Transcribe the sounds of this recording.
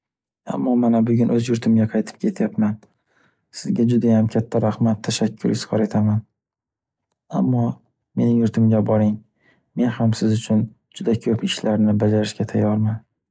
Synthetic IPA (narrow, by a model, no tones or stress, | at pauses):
a̰mːɒmanabʊɡʲʊnʔɵzjʊɾt̪ʰɪmɡʲaqʰɑjt̪ʰɪ̥p̚kʲʰe̞t̪ʰjapman | sɪzɡʲad͡ʒʊd̪ajamkʲʰat̪ʰːaɾahmat̪ʰːaʃakʲʰːʊɾɪz̥ʁɒɾe̞t̪ʰaman | amːɒ | me̞nɪŋjʊɾt̪ʰɪmɡʲabɒɾɪŋ | me̞nhamsɪzʊt͡ʃʰʊn | d͡ʒʊd̪akʰɵpɪʃlaɾnɪbad͡ʒaɾɪʃkʲat̪ʰajːɒɾman